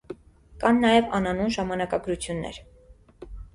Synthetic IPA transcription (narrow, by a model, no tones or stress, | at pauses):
kɑnːɑjɛvɑ̰nɑnunʒɑmɑnɑkɑɡɾut͡sʰjunːɛ̰ɾ